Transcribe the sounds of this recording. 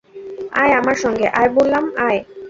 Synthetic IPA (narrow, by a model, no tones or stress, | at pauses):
ajamaɾʃɔŋɡeʔajbolːamaj